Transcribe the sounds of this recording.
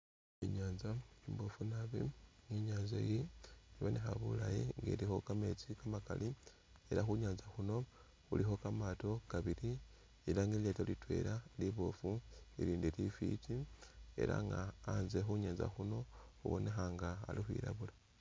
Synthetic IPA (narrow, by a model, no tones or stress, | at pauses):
iɲaːnzaimbofunaβiŋiɲaːnzejiiβo̞ne̞xaβulajiŋɡḛlixo̞kame̞t͡sikamaka̰lʔi | eɾaxuɲaːnzaxuno̞ | ulixo̞kamato̞kaβiɾi | ilaŋiletolitwe̞̰ɾaliβo̞fuiɾiːndilifḭt͡ʃie̞̰ɾa̰ŋɡaːnze̞xuɲaːnza̰xuno̞xuβo̞̰ne̞xaŋɡa̰ːlixwḭɾa̰βula